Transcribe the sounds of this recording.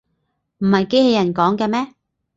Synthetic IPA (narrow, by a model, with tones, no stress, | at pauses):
m̩˨˩hɐ˨jke˥jhe˧jɐ˨˩nkɔː˨˥ŋkɛː˧mɛː˥